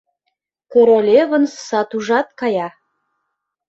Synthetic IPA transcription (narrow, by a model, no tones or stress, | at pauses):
koɾolʲeβə̆nssɑt̪uʒɑt̪̚kɑjɑ